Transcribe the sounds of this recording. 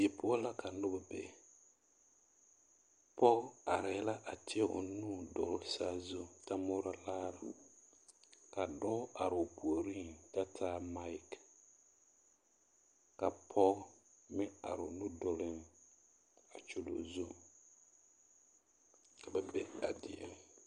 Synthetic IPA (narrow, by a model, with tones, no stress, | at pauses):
je˨pʰʊ˦a˦la˦kʰa˨n̩˦lʊ˦ba˨bɛ̰˨ | pɔ˦a˨ɾɛ˨˦la˦ʔa˨tʰɪ˦a˦ʔʊ̰˨nu˦dɔ˨lsa˦zo˦ta˦mʊ˦ɾa˦laː˦ɾa̰˨ | ka˨dɔ˦a˨ɾɪ˨ʊ˨pu˨o˨ɾi˦nta˦tʰaː˦ma˦k | ka˨pʰɔ˦ɡmɪ˦a̰˨ɾʊ˨nu˦dɔ˨lɪ˦n | a̰˨t͡ʃo˨lo̰˨zo˦ | ka˨bɛ˨be˦a˨dɪ˨ɛ̰˨